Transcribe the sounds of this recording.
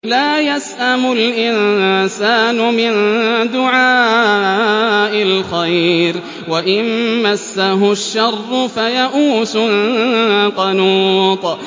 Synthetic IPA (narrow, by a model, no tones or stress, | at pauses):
laːjasʔamʊlʔɪnsaːnʊmɪnd̪ʊʕaː | ʔɪlxajɾ | waʔɪnmasːaɦʊʃːɑrˤːʊfajaʔuːsʊl | qɑnuːt̪ˤ